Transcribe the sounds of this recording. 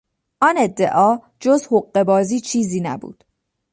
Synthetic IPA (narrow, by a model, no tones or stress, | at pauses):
ʔɒːne̞d̪ːe̞ʔɒː | d͡ʒozhoɢːe̞bɒːziːt͡ʃʰiːziːnæ̰bṵːd̪̥